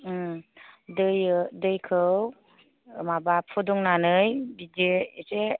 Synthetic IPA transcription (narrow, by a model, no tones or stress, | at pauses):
dɯjdɯjkʰɯw | mabapʰɔdɔŋnanɯjbideːse